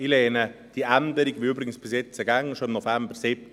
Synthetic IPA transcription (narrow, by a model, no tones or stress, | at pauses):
ilɛːnəd̥iænd̪əɾiɡʋɪɾybɾɪɡən̩sb̥ɪsjɛt͡səɡaŋːəʃoɪmnofɛmbəɾsɪp̚